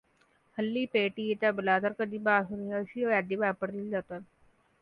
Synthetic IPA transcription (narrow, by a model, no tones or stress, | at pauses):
həlːiːpeːʈiːet̪ãːbəlaːd̪əɾkəd̪iːbaːsʊniasioːɛːɖ̪iːʋaːpəɾd̪ild͡ʒaːt̪an